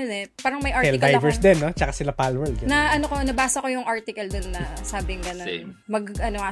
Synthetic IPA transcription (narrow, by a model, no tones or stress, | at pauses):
onɛpaːɾɐŋmɐjʔaɹɛlɪd̪ajvɛɹsd̪ɛnːot͡ʃɐkasɪlapalwɛɹd̪ɡnɐʔɐnokonɐbaːsɐkojʊŋʔaɹt̪ɪkɐld̪onːɐsaːbɪŋɡɐno | mɐɡʔɐnoɐ